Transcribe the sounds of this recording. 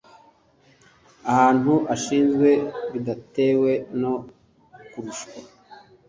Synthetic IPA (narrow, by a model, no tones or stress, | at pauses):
ahaːnuʔaʃiːnzɡwe̞βidate̞ːwe̞no̞ | kuɾuʃkwa